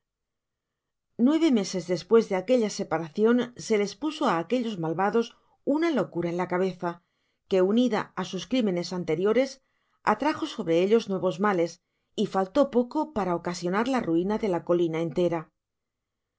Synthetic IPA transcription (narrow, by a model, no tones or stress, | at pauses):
nwe̞β̞e̞me̞se̞zðe̞spwe̞zðe̞ake̞ʎase̞paɾaθjo̞nse̞le̞spuso̞aːke̞ʎo̞zmalβaðo̞s | unalo̞kuɾaenlakaβ̞e̞θa | ke̞uniðaasuskɾimẽ̞ne̞sant̪e̞ɾjo̞ɾe̞s | a̰t̪ɾaxo̞so̞βɾe̞eʎo̞znwe̞β̞o̞zmale̞s | ifalt̪o̞po̞ko̞paɾaokasjo̞naɾlaruinaðe̞lako̞linae̞nt̪e̞ɾa